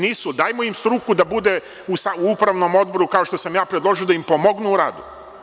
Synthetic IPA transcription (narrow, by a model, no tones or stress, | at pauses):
niːsud̪aːjmoimst̪ɾukud̪abud̪e | usauupɾaʋno̞mo̞d̪̚bo̞ɾukao̞ʃt̪o̞samjaːpɾed̪lo̞ʒio̞d̪aimpomoɡnuːɾaːd̪u